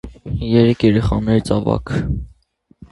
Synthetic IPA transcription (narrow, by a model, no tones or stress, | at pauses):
jɛɾɛkʰjɛɾɛχɑnɛɾt͡sʰɑvɑ̰kʰ